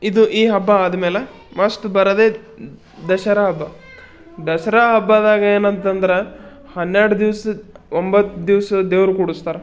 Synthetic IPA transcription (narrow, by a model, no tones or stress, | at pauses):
id̪uʔiːɦɐbːɐaːd̪ɐmeːle | mɐsʈ̪ubɐɾɐd̪eː | d̪ɐʃɐɾaɦɐbːɐ | d̪ɐʃɐɾaːɦɐbːaːd̪aːɡɐeːnɐnt̪ɐnd̪ɐɾe | hɐnːeɾɽud̪iʋsɐombɐt̪ːd̪iʋsɐd̪eːʋɾukuɽust̪aːɾe